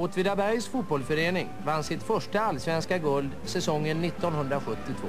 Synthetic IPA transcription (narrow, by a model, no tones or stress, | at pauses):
oːt̪vɪd̪abæɾjsfut̪̚bɔlsfœɾeːnɪŋvansɪt̪fœʂʈaalːsvɛnskaɡɵld̪sɛsɔŋːənːɪt̪ːɔnɦɵnd̪ɾaɧɵt̪ːɪt̪ʰvo̰ː